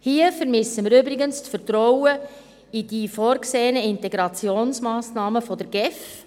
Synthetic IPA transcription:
hiəfɛɾmɪsəmɪɾʏbɾɪɡənstfəɾtɾɔwə | id̥iːfɔːɾkseːənəɪntɛɡɾɑt͡sjoːnsmɑːsnɑːməfɔdəɾɡ̥ɛf

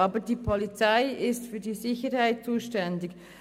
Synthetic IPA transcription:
ɑːbədiːpʰɔlit͡saɪɪstfyːɐdiːzɪçəɾhaɪt̚t͡suːʃtɛndɪk

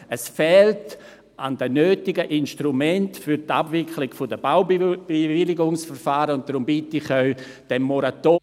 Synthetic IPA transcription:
əsfɛːlt | andənøːtɪɡəʔɪnʃtɾumɛntfyɾta̰bvɪklɪɡ̥fʊdəb̥aʊb̥evɪlɪɡʊŋsfəɾfaːɾəʊntd̥ɾʊmbitɪχaw | d̥ɛmːɔɾato

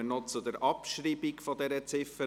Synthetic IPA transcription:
ənɔt͡sʊd̪ɛɾʔɑpʃɾiːbɪkfɔd̪ɛɾət͡sɪfə

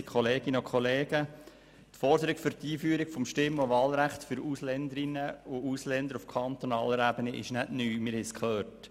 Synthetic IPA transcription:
kχɔleːɡ̥ɪnəokʰχɔleːɡ̥ə | t̪fɔɾd̪əɾɪkfʏɾtiːfyəɾɪɡfɔmʃtɪmːoʋɑːlɾæχt̪fʏɾuslɛnd̪əɾɪnəʊuslɛnd̪əɾufkʰɑnt̪onɑ̰ːləɾæbəniʔɪ̰ʃnædnyːmɪɾhɛskʰlœːɾt

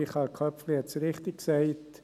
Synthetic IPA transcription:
iχɑlkʰœpfliɛtsɾɪχt̪ɪkksɛɪt̪

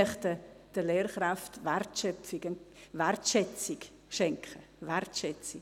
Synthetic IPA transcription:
ɛχtə | d̥əleːɾχɾaftʋɛrtʃœpfɪɡənʋɛrtʃɛt͡sɪk | ʃɛŋkχə | ʋɛrtʃɛt͡si

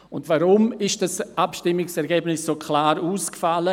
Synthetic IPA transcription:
ʊndvaɾʊmɪʃd̥asʔapʃtɪmɪksɛɾɡɛːbnɪsːoːkʰlaːɾuːskfalə

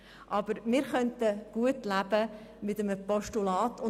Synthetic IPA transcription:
ʔɑb̥əɾmɪːɾχœntəɡ̥uətlæb̥ə | mɪtəməpɔʃtulɑːtʊ

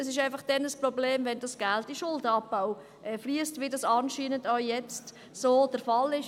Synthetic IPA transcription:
əsɪʃæɪfɑχd̥ɛnəsprɔbleːmvɛnd̥ɑsɡ̥ɛltdiʃʊldəɑpːaʊ | ʔɛːfliəstʋidɑsɑnʃiːnəndaʊjɛt͡st | soːd̥əɾfɑlɪʃ

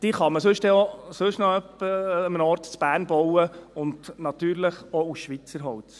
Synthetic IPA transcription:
d̥iːχɑməsɵʃtɛosɵʃnɔœpːəəmənɔɾt̪t͡sb̥æːɾnbɔwəʊndnɑt̪yːɾləχɔusʃʋit͡səɾɦɔwt͡s

